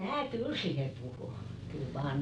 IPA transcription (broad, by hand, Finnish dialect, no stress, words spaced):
mæː kyl siːhe puhu kyl ʋɑː